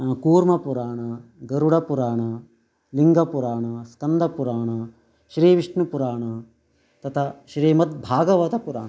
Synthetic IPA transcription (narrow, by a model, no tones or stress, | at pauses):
kuːɾmɐpuɾaːɳɐɡɐɾuɽɐpuɾaːɳɐ | liŋɡɐpuɾaːɳɐskɐnd̪ʱɐpuɾaːɳɐ | ʃɾiːʋiʂɳɐpuɾaːɳɐ | t̪ɐt̪ʰaʃɾiːmɐt̪̚bʱaːɡɐʋɐt̪ɐpuɾaːɳ